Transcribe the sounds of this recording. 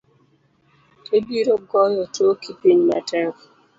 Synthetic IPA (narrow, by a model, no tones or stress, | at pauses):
ebiɾoɡɔjɔtokipiɲmɛ̰tɛɾ